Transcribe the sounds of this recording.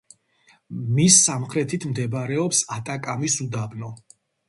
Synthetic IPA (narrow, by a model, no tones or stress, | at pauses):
misːamχɾɛt̪ʰit̪ʰmd̪ɛbɾɛɔpsat̪ʼakʼamisud̪abnɔ